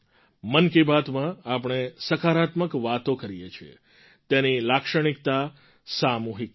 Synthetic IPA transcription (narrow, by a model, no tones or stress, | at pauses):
mənkebat̪mãapəɳ̃esəkʰaɾat̪məkʋat̪okəɾijet͡ʃʰiḛ | t̪enilakʃəɽ̃ik̚t̪a | samuɦik